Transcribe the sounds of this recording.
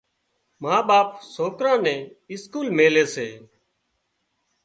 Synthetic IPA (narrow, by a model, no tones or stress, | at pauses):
mãːɓaːpsoːkɾãːnɛ̃ːɪskuːlmeːleːseː